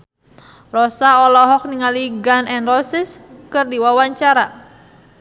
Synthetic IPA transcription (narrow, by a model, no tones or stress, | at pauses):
rɔsaɔlɔɦɔk̚niŋaliɡanɛnrɔsiskɨrdiwawaɲt͡ʃaɾa